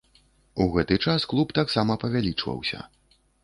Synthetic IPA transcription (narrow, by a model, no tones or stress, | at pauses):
uɣɛt̪ɨt͡ʂasklˠupt̪aksamɐpɐvʲalʲit͡ʂvɐ̰wsʲɐ̰